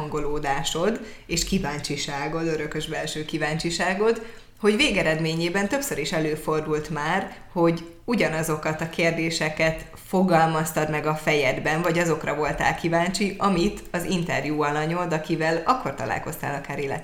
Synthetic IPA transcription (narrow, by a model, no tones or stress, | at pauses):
ŋɡo̞loːd̪aːʃo̞d̪ | eːʃkivaːɲt͡ʃiʃaːɡo̞d̪øɾøkøʒbɛlʃøːkivaːɲt͡ʃiʃaːɡo̞d̪ | ho̞ɟveːɡɛɾɛd̪meːɲeːbɛnt̪øpsøɾiʃɛløːfo̞rd̪ult̪maːr | ho̞ɟ | uɟɒnɒzo̞kɒt̪ɒkeːrd̪eːʃɛkɛt̪ | fo̞ɡɒlmɒst̪ɒd̪mɛɡɒfɛjɛd̪bɛnvɒɟɒzo̞krɒvo̞lt̪a̰ːlkivaːɲt͡ʃiʔɒmit̪ɒzint̪ɛrjuːɒlɒɲo̞d̪ɒkivɛlɒkːo̞rt̪ɒ̰la̰ːlko̞st̪a̰ːlɒkaːɾeːlɛ̰t̪